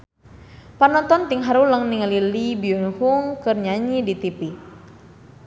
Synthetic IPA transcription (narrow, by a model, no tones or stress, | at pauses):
panɔnt̪ɔnt̪iŋɦaɾuləŋniŋəlilibiunhuŋkɨrɲaɲidit̪ipi